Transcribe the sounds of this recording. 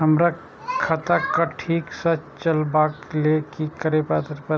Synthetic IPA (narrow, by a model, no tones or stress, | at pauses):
ɦɐmɾa | kʰɐt̪akaʈʰiːksɐt͡ʃt͡ʃəlbaːklekikɐɾepat̪ɾpɐ